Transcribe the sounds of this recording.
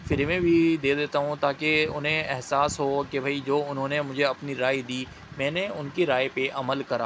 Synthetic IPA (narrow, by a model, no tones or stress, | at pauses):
fɪɾmẽbʱid̪eːd̪eːt̪aɦũt̪aːkeʊnɦẽɛɦsaːsɦokebʱaid͡ʒoːʊnɦõːnemʊd͡ʒʱeɐpniɾaːid̪iː | mɛ̃ːneʊnkeɾaːepeʔɐməlkɐɾa̰ː